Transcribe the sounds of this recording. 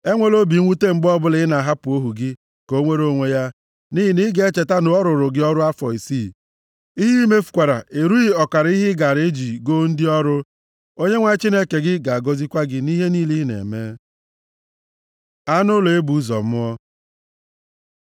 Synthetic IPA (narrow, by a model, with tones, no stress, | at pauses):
e˦ŋʷe˦lo˦bi˨˦ŋʷu˦te˦ŋ͡m̩˨ɡ͡bɔ˦bʊ˦lɪ˦ɪ˦na˨ɦa˦pʊ˨o˦ɦu˨ɡɪ˦ | ko˦ŋʷe˦ɾo˦ŋʷe˦ja˦ | ni˦ɦi˨ni˦ɡe˦t͡ʃe˨ta˦nʊ˨ɔ˦ɾʊ˨ɾʊ˨ɡɪ˦ɔ˦ɾʊ˦a˦fɔ˨i˨si˦˨ | i˦ɦi˦me˦fu̥˨kʷa˨ɾa̰˨e˨ɾu˦i˦ɔ˨ka˨ɾi˦ɦɪ˦ɡa˨ɾe˦d͡ʒi˨ɡo˦n̩˦dɪ˦ɔ˦ɾʊ˦ | o˦ɲe˦ŋʷa˦t͡ʃi˦ne˦ke˨ɡɪ˦ɡa˨a˨ɡo˦zi˦kʷa˦ɡɪ˦ni˦ɦe˦niː˦li˦ɦnḛ˨me˦ | a˦nʊ˦lo˨e˦bu˨˦zɔ̰˨m̩˦ɔ˦